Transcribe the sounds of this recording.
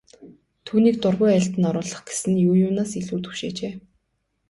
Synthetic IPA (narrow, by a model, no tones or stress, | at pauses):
t̪ʰuːniːk̚t̪ʊrʁʊjæɬt̪ə̆nɔɾʊːɮə̆χɡe̥sɘ̆njʊːjʊːnaːsiɮuːt̪ɵ̥wʃeːt͡ɕeː